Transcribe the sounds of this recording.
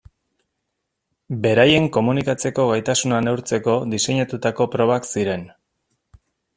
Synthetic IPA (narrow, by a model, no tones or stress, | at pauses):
be̞ɾaje̞ŋko̞munikat͡se̞ko̞ɣajt̪asunanewɾt͡se̞ko̞d̪ise̞ɲat̪ut̪ako̞pɾo̞βaksiɾe̞n